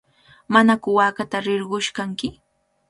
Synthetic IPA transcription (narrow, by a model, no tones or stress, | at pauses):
manakʊwaːkat̪aɾɪɾɢʊʃkaŋkɪ